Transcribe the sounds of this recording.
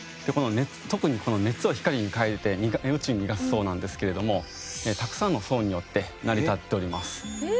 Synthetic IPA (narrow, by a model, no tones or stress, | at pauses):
d̪̥e̞ko̞no̞ne̞t͡sɨ̥t̪o̞kɯ̟ɲ̟iko̞none̞t͡sɨo̞çi̥kaɾʲiɲ̟ikaiɾt̪e̞mʲiɡɯ̟t͡ɕiɲimʲiɡasɨ̥so̞ːnãnd̪e̞sɨ̥ke̞ɾe̞d̪o̞mo̞ | eːt̪akɯ̥sãnːo̞so̞ːɲ̟ijo̞t̪ːe̞ | naɾʲit̪at̪ːe̞o̞ɾʲimasɨ̥